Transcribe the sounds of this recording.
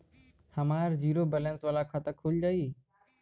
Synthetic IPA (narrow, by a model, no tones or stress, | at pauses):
həmaːɾd͡ʒiːɾoːbɛːlənsʋaːlakʰaːt̪əkʰuːld͡ʒaːiː